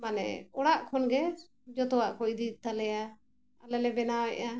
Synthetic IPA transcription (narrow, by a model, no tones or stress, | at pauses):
manɛ̰ɔɽaʔkʰɔnɡɛ | d͡ʒɔt̪ɔwaʔkɔʔd̪it̪alɛja | a̰lɛlɛbɛnawɛʔa